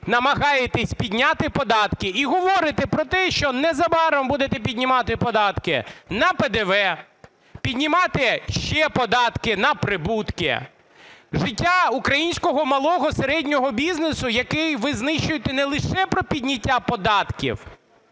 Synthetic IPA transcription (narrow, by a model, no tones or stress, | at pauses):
nɐmɐɦɑjet̪ɛsʲpʲidʲnʲat̪ɪpɔd̪ɑt̪kɪiɦɔʋɔɾɪt̪ɛpɾɔt̪ɛʃt͡ʃɔnɛzɐbɑɾɔmbud̪et̪ɛpʲidʲnʲɪmɑt̪ɪpɔd̪ɑt̪kɪ̰nɐped̪eʋɛ | pʲid̪ʲnʲɪmɑt̪ɪʃt͡ʃɛpɔd̪ɑt̪kɪnɐpɾɪbut̪kɪ̰ | ʒɪtʲːaukɾɐjinʲsʲkɔɦɔmɐlˠɔɦɔseɾɛdʲnʲɔɦɔbʲiznesʊjɐkɪjʋɪznɪʃt͡ʃʊjet̪ɛnɛlˠɪʃɛpɾɔpʲidʲnʲɐtʲːapɔd̪ɑt̪kʲḭw